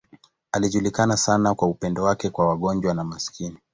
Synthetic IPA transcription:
aliʄulikanasanakwaupɛndɔwakɛkwawaɠɔnd͡ʒwanamaskini

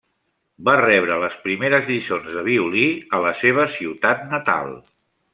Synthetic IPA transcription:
barɛβɾələspɾimeɾəzðisonzðəβ̞iuliələseβ̞əsiwt̪at̪̚nət̪a̰lˠ

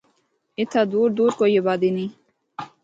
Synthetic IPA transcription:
it̪ʰad̪uːɾd̪uɾkojebad̪ini

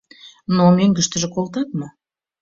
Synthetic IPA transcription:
nomeŋɡə̆ʃt̪ə̆ʒĕkolt̪ɑt̪mɤ

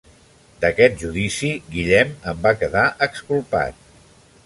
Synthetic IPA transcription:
d̪əkɛt̪̚ʒuðisiɣiʎɛməmbakəðaʔəkskulˠpa̰t̪̚

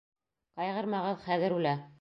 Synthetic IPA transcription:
qɑjʁɤ̆ɾmɑʁɤðχæðɘɾulæ

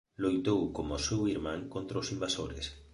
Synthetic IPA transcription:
lojt̪owkomosewiɾmãŋkont̪ɾaʊsimbasoɾɪ̰s

